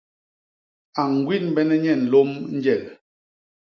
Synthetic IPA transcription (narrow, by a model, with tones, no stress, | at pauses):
a˨ŋ˨ɡwi˦nbɛ˦nɛ˦ɲɛ˦˨n̩˨lo˦mn̩˦d͡ʒɛ˦˨l̚